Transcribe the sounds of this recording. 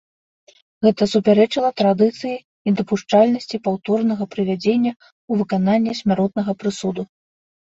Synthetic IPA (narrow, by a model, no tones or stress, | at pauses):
ɣɛt̪ɐsupʲaɾɛt͡ʂɨlˠɐt̪ɾad̪ɨt̪sɨji | id̪ɐpuʂt͡ʂalʲnɐsʲt͡sʲipawt̪ɔrnɐɣɐpɾɨvʲad͡zʲenʲːɐ | uvɨkananʲːɛsʲmʲaɾɔt̪̚nɐɣɐpɾɨsud̪u